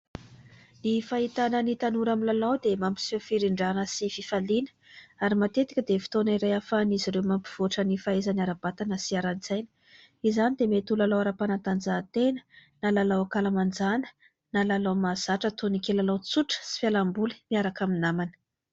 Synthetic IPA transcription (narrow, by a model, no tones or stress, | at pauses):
nifaɦit̪anənit̪anuɾamilalawd̪emampi̥sofiɾiɳɖ͡ʐanəsififalinə̥ | aɾimat̪et̪i̥kʲəd̪efi̥t̪oniɾajafaniziɾewmampi̥v̥oʈ͡ʂənifaezaniaɾab̥at̪anəsiaɾanizajnə̥ | izanid̪emet̪ulalawaɾapanant̪and͡zat̪enə̥nalalawakalamand͡zanə̥ | nalalawmaz̥aʈ͡ʂət̪onikʲelalawt͡suʈ͡ʂə̥si̥fjalambuli̥miaɾakaminamanə̥